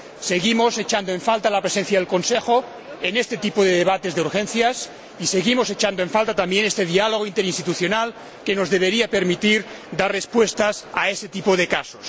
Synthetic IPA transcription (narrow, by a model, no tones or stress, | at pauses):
seɣimoset͡ʃand̪oeɱfalt̪alapɾesen̟θjað̞e̞lko̞nsexo | enest̪et̪ipoðeðeβat̪ezðeuɾxẽnθjas | iseɣimoset͡ʃand̪oẽɱfalt̪at̪ambjenest̪eðialoɣ̞oint̪eɾinst̪it̪uθjonal | kenozðeβ̞eɾiapeɾmit̪iɾd̪arespwest̪asaeset̪ipoðekasos